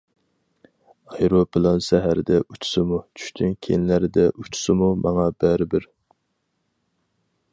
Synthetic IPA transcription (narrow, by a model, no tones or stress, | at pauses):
ɑjɾopɨlˠɑnsæɦæɾd̪ɛʔyt͡ʃʰʊ̥sɪmut͡ʃʰy̥ʃt̪ʰynkʲʰejnlæɾɪd̪ɛʔut͡ʃʰʊ̥sɨmumɑŋɑbæɾɪbɪɾ